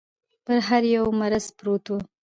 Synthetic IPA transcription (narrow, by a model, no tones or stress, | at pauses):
pəɾɦaɾjawmaɾaspɾot̪u